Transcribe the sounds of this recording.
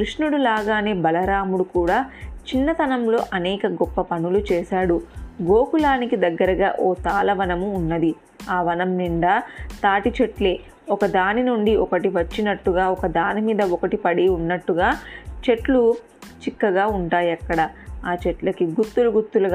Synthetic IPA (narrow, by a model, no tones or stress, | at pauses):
kɾuʂnuɽulaːɡaːne̞ːbɐlɐɾaːmuɽukuːɽaːt͡ʃinːɐt̪ɐnɐmlo̞̰ːʔɐnɛːkɐɡɔpːɐpɐnulut͡ʃɛːʃaːɽuɡo̞ːkulaːnikid̪ɐɡːɐɾɐɡa̰ːʔoːt̪aːlɐʋɐnɐmuːnːɐd̪i | aːʋɐnɐmniɳɖaːt̪aːʈit͡ʃe̞ʈle̞ː | ɔkɐd̪aːninuɳɖiʔɔkɐʈiʋɐt͡ʃːinɐʈːuɡaːɔkɐd̪aːnimiːd̪ɐɔkɐʈipɐɽiunːɐʈːuɡaːt͡ʃe̞ʈlu | t͡ʃikːɐɡaːuɳʈaːjɐkːɐɽɐaːt͡ʃeʈlɐkiɡut̪ːuluɡut̪ːulɐ